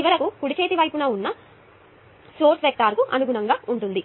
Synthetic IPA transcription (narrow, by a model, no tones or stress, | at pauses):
iʋɐɾɐkukuɽit͡ʃeːt̪iʋɐjpunɐːunːɐ | soːʈʋek̚t̪aːɾkuʔɐ̰nuɡuɳɐŋɡaːuɳʈund̪i